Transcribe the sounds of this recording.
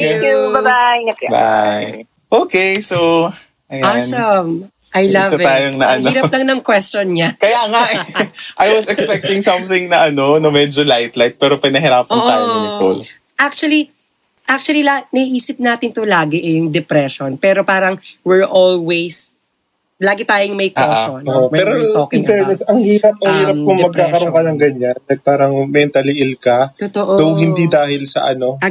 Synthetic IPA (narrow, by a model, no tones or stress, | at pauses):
jubɐbaba̰j | ʔoːkejso | ʔɐjaansɐm | ʔɐjlɐvɐt̪aːjoŋnɐʔɐniɾɐplɐŋnɐŋkwɛst͡ʃonɲakɐjaːŋaʔʔajwɐsɛkspɛk̚t̪ɪŋsɐ̃mθɪŋnɐʔɐno̞nɐmɛd͡ʒolajt̪lajt̪̚pɛːɾopɪnɐɦɪɾaːpɐnːaːjoko̰l | ʔak̚t͡ʃuɐli | ʔak̚t͡ʃuɐlilɐnɐiʔiːsɪp̚naːt̪ɪnt̪olaːɡɪʔɛjʊŋd̪ɛpɾɛʃonpɛːɾopaːɾɐŋwɪɹʔolwejs | laːɡɪt̪aːjoŋmɐjkːoʔaʃonooʔpɐɛɾoɪnsɛɛsɐŋhiːɾɐp̚ɐŋhiːɾɐpkʊŋmɐɡ̚kːaːkɐɾokɐnɐŋɡɐɲanɐpaːɾɐŋmɛnt̪ɐlɪʔɪlkɐt̪ot̪oʔod̪owhɪnid̪aːhɪlsɐ̰ʔɐ̰no̞